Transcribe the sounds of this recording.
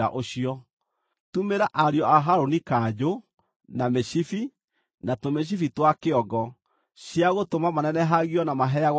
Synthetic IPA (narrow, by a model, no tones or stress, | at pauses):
a̰ʔoɕiɔ | tumeɾaʔaɾjɔaɦaɾonikad͡ʑo | nameɕifi | natomeɕ̬ifitwakeɔɡɔ | ɕjaɣotomamanɛnɛɦaɣiɔnamaɦɛaɣ